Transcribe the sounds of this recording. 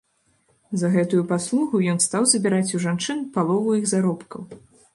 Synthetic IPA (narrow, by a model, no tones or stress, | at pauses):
zɐɣɛt̪ujupaslˠuɣujɔnst̪awzɐbʲiɾat͡sʲuʐant͡ʂɨnpalˠɔvujiɣzaɾɔpkɐw